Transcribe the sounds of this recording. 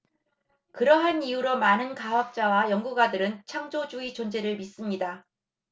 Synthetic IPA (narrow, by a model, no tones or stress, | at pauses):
kɯɾʌɦaniuɾomanɯnkaɦwak̚t͡ɕ͈awajʌŋɡuɡwadɯɾɯnt͡ɕʰaŋd͡ʑod͡ʑuit͡ɕʌnd͡ʑe̞ɾɯɭmis͈ɯmɲida